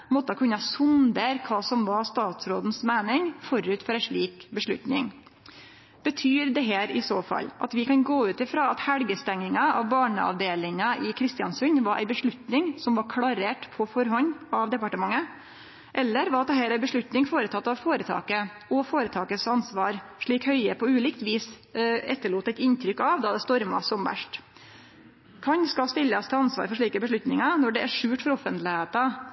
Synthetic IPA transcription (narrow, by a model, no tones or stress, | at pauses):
mɔt̪ːəɑkʉnɑsʊnd̪eːɾkʰɑːsɔmʋɑst̪ɑːt̪sɾoːd̪n̩smeːnɪŋfɔɾʉːt̪fɔɾæɪʂɭiːkbəʂɭʉ̰t̪nɪ̰ŋ | b̥ət̪ʰyːɾd̪ɛɦeːɾɪsoːfɑ̰lːʔɑ̰t̪ʋɪkɑnɡoːʉːt̪ɪfɾɑːɑt̪hælɡəst̪ɛŋːɪŋɑɑʋbɑːɳə̰ʔɑ̰ʋd̪eːlɪŋɑʔɪkʰɾɪst̪ɪɑnsʉnʋɑɾʔæ̰ɪbəʂɭʉt̪nɪŋsɔmʋɑɾkʰlɑɾeːʈpʰɔfɔɾɦɔɲɑʋd̪ɛpɑʈəmɑŋːə | ʔɛlːəɾʋɑɾɑt̪̚d̪ɛhɛːlæɪbəʂɭʉt̪nɪŋfoːɾət̪ʰɑt̪ːɑʋfoːɾət̪ʰɑ̰ːkə | ɔfoːɾət̪ʰɑːkəsɑnsʋɑːɾʂɭiːkhœʏəpʰɔʉːliːkt̪ʋiːs | ɛt̪ːəɭuːt̪æɪt̪ɪnt̪ʰɾʏkːɑʋd̪ɑd̪ɛst̪ɔɾmɑ̰sɔmʋæ̰ʂʈ | kʰɑɲskɑlst̪ɪlːəst̪ʰɛɑnsʋɑ̰ːɾfɔʂɭiːkəbəʂ̬ɭʉt̪nɪŋɑnɔɖɛæʂʉːʈfɔɾɔfənt̪lɪheːt̪ɑ